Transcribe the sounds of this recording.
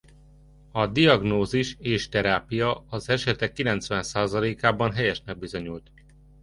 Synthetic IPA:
ɒd̪ijɒɡnoːziʃeːʃt̪ɛɾaːpijɒɒzɛʃɛt̪ɛkːilɛnt̪sʋɛnsaːzɒleːkaːbɒnɦɛjɛʃnɛɡ̚bizoɲult̪

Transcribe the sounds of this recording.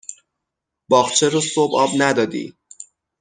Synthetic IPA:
bɒːχt͡ʃʰeɾosobɒːbnæd̪ɒːd̪ḭː

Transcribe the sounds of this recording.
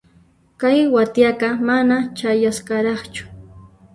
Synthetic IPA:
kajwat̪jaɢɑmanat͡ʃajasɢɑɾɑχt͡ʃʊ̥

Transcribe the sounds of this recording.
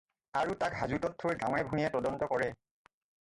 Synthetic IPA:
aɹutakɦazutɔtʰːoɹɡãw̃ɛbʱunijɛtɔdɔntɔkɔɹɛ

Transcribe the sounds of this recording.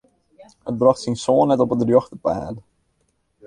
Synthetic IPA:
hət̚brɑxtsinsoːnːɛtɔpədrjɔxtəpa̰ːdə

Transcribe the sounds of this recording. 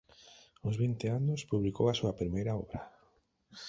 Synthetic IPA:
ʊzβint̪ɪanʊspuβlikowasuɐpɾimejɾaɔβɾa

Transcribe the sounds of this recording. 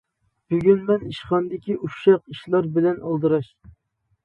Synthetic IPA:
b̥yɡʲynmɛniʃχɑnd̪ɪkʲiʔuʃɑqiʃlˠɑɾbɪlɛnʔɑ̰lˠd̪ɨɾɑʃ

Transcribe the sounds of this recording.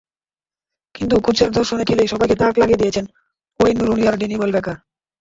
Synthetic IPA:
kint̪ukut͡ɕaɾd̪ʱoɾʃonekʰelejʃɔbajket̪aklaɡied̪ijet͡ɕʰen | kojnːuɾuniaɾɖinibolbɛka

